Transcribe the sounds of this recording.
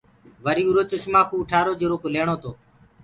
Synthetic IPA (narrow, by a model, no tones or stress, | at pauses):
ʋəɾiːuːɾoːt͡ʃʊʃmãːkuːʈʰaːɾoːd͡ʒoɾoːkoleːɳ̃oːt̪oː